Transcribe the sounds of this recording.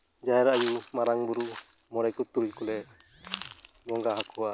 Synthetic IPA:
d͡ʒaɛɾaajusmaɾaŋbuɾu | mɔɾɛkut̪uɾuckulɛ | ɡɔŋɡaɦakʰɔwa

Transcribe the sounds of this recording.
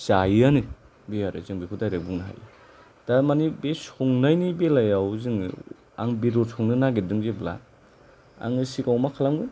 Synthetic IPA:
sajani | bejaɾɯ̰zɯŋbikʰudajɾek̚buŋnaɦa̰jɯ̰ | d̥amanibesɔŋnajnibelajawziŋ̰ | aŋbiɾosʰɔŋnɯnaɡidɯŋzebla̰ | a̰ŋɯsikawmakʰalamɡɯ

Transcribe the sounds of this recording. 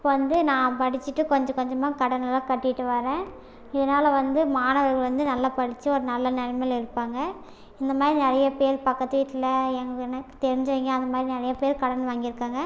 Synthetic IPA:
ɪpːoːʋɐnd̪ɯnãːpɐɽɪt͡ʃːɯʈːɯkɔɲd͡ʒɐ̃kɔɲd͡ʒɐmaːkɐɽɐnɐlaːkɐʈːɪɪʈːɯʋɐɾẽː | ɪðɐnaːlɐʋɐnd̪ɯmaːnɐʋɐɾɣɐɭʋɐnd̪ɯnɐlːɐpɐɽɪt͡ʃːɯɔɾɯnɐlːɐnɛɾɐmɐlɪɾɯpːaːŋɡɐ | ɪnd̪ɐmaːd̪ɾinɛɾɐjɐpeːɾpɐkːɐt̪ːɯʋiːʈːɪlɐɛŋɡɐkɛnɐkːɯ̥t̪ɛɾɪɲd͡ʒɐʋiŋɡɐɐnd̪ɐmaːd̪ɾinɐɾɐjɐpeːɾkɐɽɐnʋaːŋɡɪɾɯkːaːŋɡɐ

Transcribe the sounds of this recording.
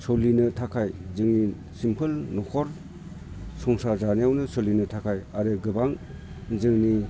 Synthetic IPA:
sɔlinɯtʰakʰajzɯŋni | simpʰɯlnɔkʰɔɾ | sɔŋsazaneawnɯsolinɯtʰakʰajaɾɯɡɯbaŋzɯŋni

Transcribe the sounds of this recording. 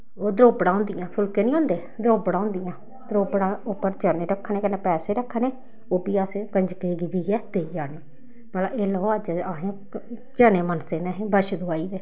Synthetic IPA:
oːd̪ɾoːbɽ̃ãːõːnd̪ɪjãːpʰʊlkeːnĩːõːnd̪eː | d̪ɾoːbɽãːõːnd̪ɪjãː | d̪ɾoːbɽãːʊpːəɾd͡ʒaːneːɾəkʰːneːkənẽːpɛːseːɾəkʰːneː | oːbiːaːsẽːkəɲd͡ʒkeːɡɪd͡ʒiːɛːt̪eːiːaːneː | məlaʔeːləoːəd͡ʒaːɦẽː | d͡ʒaːneːmənseːnɛ̃ːɦẽːbəʃd̪oaːiːd̪eː

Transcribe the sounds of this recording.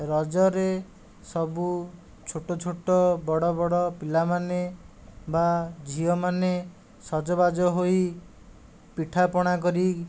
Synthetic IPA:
ɾɔd͡ʒɔɾe | sɔbu | t͡ʃʰoʈɔt͡ʃʰoʈɔbɔɽɔbɔɽɔpilamane | bad͡ʒʱiɔmane | sɔd͡ʒɔbad͡ʒɔɦoi | piʈʰapɔɽ̃ak̬ɔɾi

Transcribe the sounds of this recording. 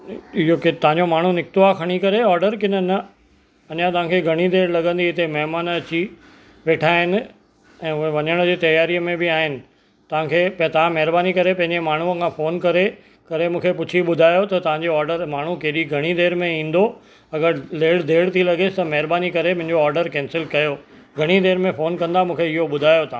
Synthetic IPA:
ɪɦokt̪ɐʋ̤ãɲd͡ʑomaːɳ̤unɪk̚t̪oakʰɐɽ̃ikɐɾeɔːɾɖəɾkɪnənɐ | ɐɲãt̪ɐʋ̤ãkʰeɡʱɐɽ̃id̪eːɾlɐɠə̃nd̪iɪt̪emɐɦmaːnɐt͡ɕi | ʋeːʈʰaːɦɪnɪ̆ | ɛ̃ːʊɦeʋɐɲəɽ̃d͡ʑiːt̪ɐjaːɾijmẽbɪaːɦɪnɪ̆ | t̪ɐʋ̤ãkʰeːpɐt̪ɐʋ̤ãmɐɦɪɾbaːnikɐɾepɐ̃ɦɪ̃ɲd͡ʑemaːɳ̤uəkʰãfoːnkɐɾe | kɐɾemũːkʰepʊt͡ɕʰiɓʊd̪ʱaːjot̪ɐt̪ɐʋ̤ãɲd͡ʑoaːɾɖəɾmaːɳ̤ukeɦɗiɡʱɐɽ̃id̪eːɾmẽĩːnd̪o | ɐɡəɾleːɽd̪ʱeːɽt̪ʰilɐɠesɪ̥t̪ɐmɐɦɪɾbaːnikɐɾemʊ̃ɦɪ̃ɲd͡ʑoɔːɾɖəɾkɛ̃ːnsɪlkɐjoː | ɡʱɐɽ̃id̪eːɾmẽfoːnkɐ̃nd̪amũːkʰeɪɦoɓʊd̪ʱaːjot̪ã

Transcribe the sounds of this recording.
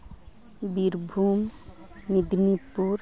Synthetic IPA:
biɾbʱumː | id̪nipuɾ

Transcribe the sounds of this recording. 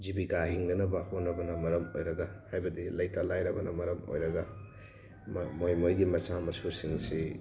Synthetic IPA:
zibiɡaɦiŋnɐnɐbahonːɐbɐnɐmɐɾɐmo̰jɾɐɡahajbɐdilɐjtʰalajɾɐbɐnɐmɐɾɐmo̰jɾɐɡɐ | mmojmojɡimɐsamɐsuɾsiŋsi

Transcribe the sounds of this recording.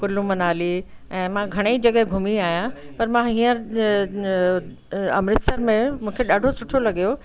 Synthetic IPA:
kʊlũmɐnaːliɛ̃ːmãɡʱɐɽ̃eid͡ʑɐɠəɦɡʱʊmiaːɦjãpɐɾmãiːə̃ɾ | ɐ̰mɾɪt̪səɾmẽmũːkʰeɗaːɖʱosʊʈʰolɐɠijo

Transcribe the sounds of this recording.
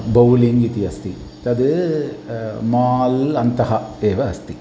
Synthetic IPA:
bɐwliŋɡit̪iɐst̪i | t̪ɐd̪ɨ | maːlɐnt̪ɐɦɐeːʋɐːst̪i

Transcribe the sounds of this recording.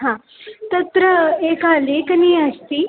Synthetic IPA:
ɦã | t̪ɐt̪ɾəeːkaleːkniːɐst̪i

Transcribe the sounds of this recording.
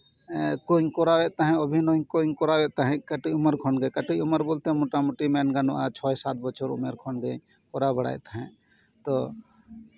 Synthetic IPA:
kõŋkoːɾaʋeʔt̪aɦɛ̃obʱinoːŋkoŋkoːɾaʋeʔt̪aɦɛ̃kəʈiʊməɾkʰoɳɡekəʈiʊməɾboːlt̪eɦɛ̃moʈamuʈimeːnɡənoʔat͡ʃʰɔːesaːt̪̚ʰbət͡ʃʰoɾʊ̰meɾkʰonɡe | koɾabəɽa̰ːjt̪aɦɛ̃ː | t̪o

